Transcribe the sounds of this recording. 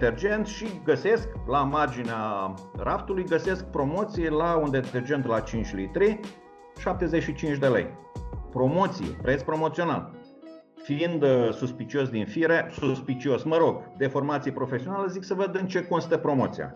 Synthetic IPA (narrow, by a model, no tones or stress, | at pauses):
t̪erd͡ʒe̞nt̪ʃiɡəse̞sklamard͡ʒinearapt̪ulujɡəse̞sk̚pɾo̞mo̞t̪sijelaund̪et̪e̞rd͡ʒe̞nt̪lat͡ʃint͡ʃʲlit̪ɾi | ʃap̚t̪e̞ze̞ʃit͡ʃint͡ʃd̪e̞lḛj | pɾo̞mo̞t̪sijḛpɾet̪sʲpɾo̞mo̞t̪sio̞na̰l | fiind̪suspit͡ʃio̞s̬d̪infiɾesuspit͡ʃio̞sməɾo̞ɡd̪e̞fo̞rmat̪sijepɾo̞fe̞sio̞naleziksəvəd̪ɨnt͡ʃe̞ko̞nst̪əpɾo̞mo̞̰t̪sija̰